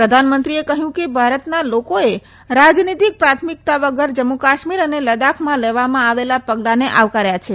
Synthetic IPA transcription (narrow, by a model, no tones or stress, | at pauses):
pɾəd̪ʱanmənt̪ɾiekəɦjũkebʱaɾət̪nalokoe | ɾad͡ʒnit̪ik̚pɾat̪ʰmik̚t̪aʋəɡəɾd͡ʒəmːukaʃmiɾəneləd̪akʰmãleʋamãaʋelapəɡlaneʔaʋkaɾjat͡ʃʰe